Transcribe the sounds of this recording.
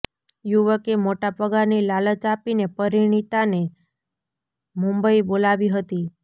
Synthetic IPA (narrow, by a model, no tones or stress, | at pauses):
juʋəkemoʈapəɡaɾnilalət͡ʃapinepəɾiɽ̃it̪ane | mũmbəibolaʋiɦət̪i